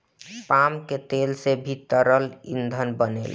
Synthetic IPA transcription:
pamket̪elsebʱit̪ːəɾəlḭnd̪ʱənbənḛl

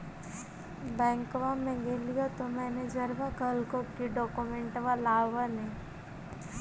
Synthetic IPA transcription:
bɛ̃ːŋkʋamẽɡeːlijat̪omɛːned͡ʒɐɾʋakəlkokiɖɔːkumẽɳʈʋalaːʋanẽ

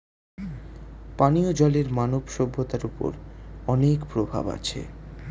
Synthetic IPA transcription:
paniod͡ʑɔleɾmanobʃɔbʱːot̪aɾupo̰ɾɔnekpɾobʱa̰ba̰t͡ɕʰḛ

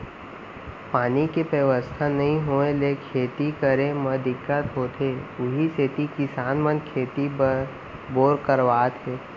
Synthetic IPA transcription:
paːnikepeʋəst̪ʰanɐɦĩɦoːẽleːkʰeːt̪ikəɾẽmɐd̪ɪkːət̪ɦoːt̪ɦeʊɦiset̪ikɪsaːnmənkʰeːt̪i | boːɾkəɾʋaːt̪eː

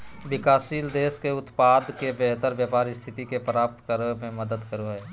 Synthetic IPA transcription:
ʋɪkaːsiːld̪eːskeʊt̪paːd̪kebeɦt̪əɾʋjəpaːɾɪst̪ʰɪt̪ikepɾaːp̚t̪kəɾəmẽməd̪əd̪kəɾoɦɛː

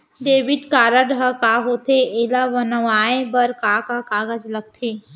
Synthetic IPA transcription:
ɖ̪eːʋɪʈkaːɾəɖɦəkaɦoːt̪ʰeelaʋənəʋaːẽbəɾkaːkakaːɡəd͡ʒlɐɡ̚t̪ʰeː

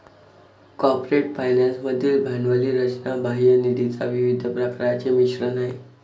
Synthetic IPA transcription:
kɔpɾeʈfajnansməd̪ʱːiːlbʱanʋəliːɾət͡ɕnabaɦiənid̪ʱit͡saʋiʋid̪ʱəpɾəkɾat͡ɕemiɕɾənaɦi

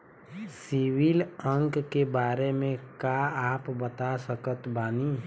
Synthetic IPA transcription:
siwilə̃ŋkkebaːɾemẽkaaːpbət̪asəkət̪baːni

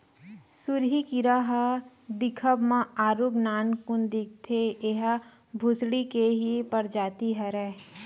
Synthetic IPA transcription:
suɾɦikiɾaɦɐ | d̪ɪkʰəbmãaːɾubnaːnkʊnd̪ik̚t̪ʰeeɦə | bʱʊsɽikeɦipɐɾd͡ʒaːt̪iɦɛɾɛ

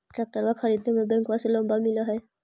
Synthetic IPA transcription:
ʈɾɛk̚ʈəɾʋaxɐɾiːd̪nemẽbɛ̃ŋkʋaselə̃mbamɪlaɦɛː

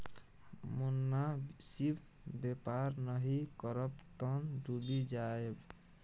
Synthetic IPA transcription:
munːasibʰ | bepaɾnəɦikəɾəpt̪ənduɖid͡ʒaeb

